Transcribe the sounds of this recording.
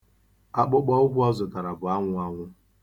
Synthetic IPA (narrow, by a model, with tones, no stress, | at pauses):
a˦k͡pʊ˦k͡pɔ˦ʊ˦ɡʷʊ˦ɔ˦zʊ˨ta˨ɾa˨bʊ˨a˦ŋʷʊ˦a˦ŋʷʊ˦